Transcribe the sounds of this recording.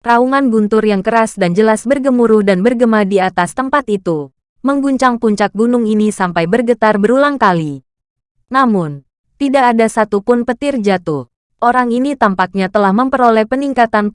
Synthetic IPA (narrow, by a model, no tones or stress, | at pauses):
rauŋanbunt̪ʊrjaŋkəɾasdand͡ʒəlasbərɡəmuɾʊhdanbərɡəmadiat̪ast̪əmpat̪it̪u | məŋɡuɲt͡ʃaŋpuɲt͡ʃak̚bunʊŋinisampajbərɡət̪arbəɾulaŋkali | namʊn | t̪idaʔːdasat̪upʊnpət̪ɪrd͡ʒat̪ʊh | ʔoɾaŋinit̪ampak̚ɲat̪əlahməmpəɾolɛhpəniŋkat̪an